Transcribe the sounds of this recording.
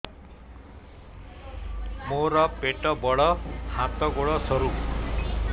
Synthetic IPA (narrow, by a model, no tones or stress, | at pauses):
moɾʌpeʈʌbʌɽʌhãt̪ʌɡoɽʌsʌɾu